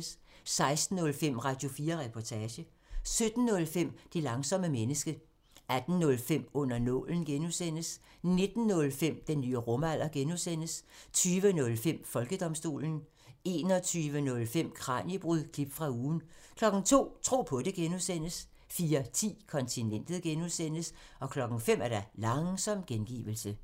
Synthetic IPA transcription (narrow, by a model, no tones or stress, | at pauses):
s | sɑ̈ɪsd̥n̩ːɔ̽lfem̰ʁɑ̈d̥jo̝fiːɐʁɛpʰɒt͡sʰɛːɕə | sød̥n̩ːɔ̽lfem̰d̥elɑ̈ŋsɒ̽məmenəsɡ̥ə | æd̥n̩nɔ̽lfem̰ɔ̽n̰ɐnɔ̽ln̩ɡ̥enusen̰əs | ne̝d̥n̩ːɔ̽lfem̰d̥enːyːəʁɔ̽mæl̰ɐɡ̥enusen̰əst͡sʰyːʋənɔ̽lfem̰fɒ̽lɡ̥əd̥ɒ̽msd̥o̝̰ːln̩ | e̝ːnɒt͡sʰyːʋənɔ̽lfem̰kʰʁɑ̰̈ːnib̥ʁuðˠkʰlib̥fʁɑ̈uːn̩kʰlɒ̽ɡ̥n̩t͡sʰo̝̰ːt͡sʰʁo̝̰ːpʰɒ̽d̥e̝ɡ̥enuðˠsen̰əs | fiːɐt͡sʰḭːkʰɒ̽nt͡sʰinen̰d̥ð̩ˠɡ̥enusen̰əs | ɒ̽kʰlɒ̽ɡ̥n̩fem̰æɐɾɑlɑ̈ŋsɒ̽m̰ɡ̥enɡ̥ḭːʋl̩sə